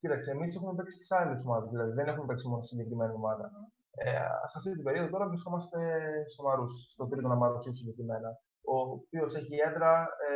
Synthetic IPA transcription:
cit̪ɐkseːmisse̞xumepeksi̥ce̥sɐliosomɐðezðilɐðiðene̞xumepeksimo̞nosiɲɟe̞kɾime̞niomɐðɐ | ḛsɐft̪it̪ibe̞ɾio̞ðot̪o̞ɾɐvɾisko̞mɐst̪e̞st̪omɐɾusst̪ot̪ɾik̪onɐmɐɾusisiɲɟe̞kɾime̞nɐ | opio̞se̞çiend̪ɾɐ

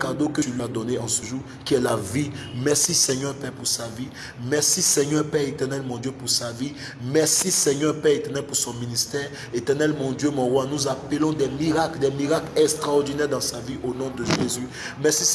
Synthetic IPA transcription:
kaʁd̪okətylɥiad̪ɔneɑ̃səʒuʁ | kiɛlavimɛʁsisɛɲœʁpɛpuʁsavi | mɛʁsisɛɲœʁpɛʁet̪ɛʁnɛlmɔ̃d̪jøpuʁsavi | mɛʁsisɛɲœʁpɛʁet̪ɛʁnɛlpuʁsɔ̃minist̪ɛʁ | et̪ɛʁnɛlmɔ̃d̪jømɔ̃ʁwanuzapəlɔ̃d̪ɛmiʁakld̪ɛmiʁaklɛkst̪χaɔʁd̪inɛʁd̪ɑ̃saviʔonɔ̃d̪əʒezy | mɛsi

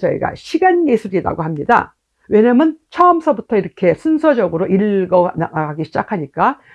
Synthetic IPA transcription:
ʌḭɡa̰ɕʰiɡanɡesʰuɾida̰ɡoɦamɲida̰ | we̞ɲamjʌnt͡ɕʰʌmsʰʌbutʰʌiɾʌkʰe̞sʰunsʰʌd͡ʑʌɡɯɾoʔiɭɡʌnaaɡaɡiɕʰid͡ʑakʰaɲik͈a

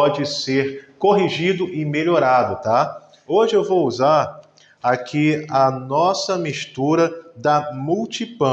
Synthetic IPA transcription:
ɔd͡ʒɪseɾkoɦiʒid̪ʊʔɪmeʎoɾad̪ʊt̪a | oʒɪewvowuzaɾ | akʰiɐnɔsɐmiʃt̪uɾɐd̪ɐmuwt͡ʃipɐ̃

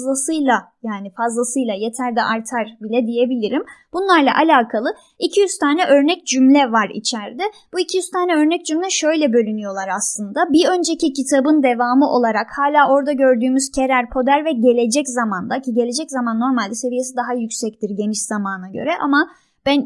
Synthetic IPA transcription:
lˠasɯjlˠajaːnifazlˠasɯjlˠaje̞t̪ʰæɾd̪ɛʔaɾt̪ʰaɾbilʲɛd̪ije̞bilʲiɾimb̥unlˠaɾlˠa̰ʔalʲaːkʰalˠɯ | icʰijyz̥t̪ʰaːnɛʔø̞ɾnɛc̚d͡ʒymlʲɛvaɾḭt͡ʃʰæɾd̪ɪb̥uicʰijyz̥t̪ʰaːnɛø̞ɾnɛc̚d͡ʒymlʲɛʃø̞jlʲɛbø̞lʲynyjo̞lˠaɾaslˠɯnd̪abiø̞nd͡ʒe̞cicit̪ʰabɯnd̪e̞vaːmɯʔo̞lˠaɾakhaːlʲaːo̞ɾd̪aɟø̞ɾd̪yːmyz̥cʰe̞ɾæɾpʰo̞d̪æɾvɛɟe̞lʲe̞d͡ʒɛczamand̪aciɟe̞lʲe̞d͡ʒɛczamanːo̞ɾmalʲd̪ɛse̞vijes̬id̪aɦajycsɛc̚t̪iɾɟe̞niʃz̥amaːnaɟø̰ɾɛʔa̰ma | b̥æn

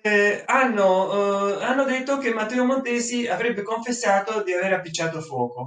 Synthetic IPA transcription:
anːo | anːod̪et̪ːok̟emːat̪ːɛːomont̪ɛːsiavɾɛbːekoɱfesːaːt̪od̪iaveːɾapːit͡ʃːaːt̪ofwɔ̰ːko

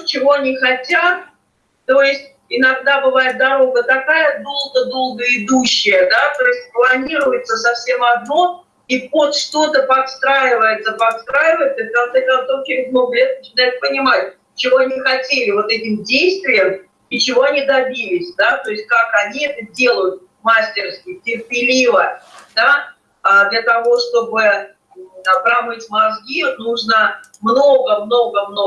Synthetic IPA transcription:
t͡ɕɪvo̞ɐnʲixɐtʲat̪̚ː | o̞jɪsʲtʲ | ɪnɐɡd̪abɨvajɪt̪̚d̪ɐɾo̞ɡət̪akajəd̪o̞lˠɡəd̪o̞lˠɡəɪd̪uɕːɪjəd̪at̪o̞jɪsʲt̚ʲplˠɐnʲiɾʊjɪt̪səsɐfsʲe̞mɐd̪no̞ | ipot̪ʂt̪o̞t̪əpɐt̪st̪ɾajɪvəjɪt̪səpɐt̪st̪ɾajɪvəjɪt̪səfkɐnt̪sɛkɐnt̪so̞fkʲɪɪznoklʲet̪̚nət͡ɕɪnajʊt̪̚pənʲɪmat̚ʲ | t͡ɕɪvo̞ɐnʲixɐtʲelʲɪvo̞t̪ɛtʲɪmdʲejst̪vʲɪjəm | it͡ɕɪvo̞ɐnʲid̪ɐbʲilʲɪsʲd̪at̪o̞ɪsʲt̚ʲkakɐnʲiɛt̪ədʲe̞lˠəjʊt̪̚ | masʲtʲɪrskʲɪjətʲɪrpʲɪlʲivəd̪aː | d̪lʲət̪ɐvo̞ʂt̪o̞bɨ | pɾɐmɨtʲmɐzɡʲinuʐnə | mno̞ɡəmno̞ɡəmno

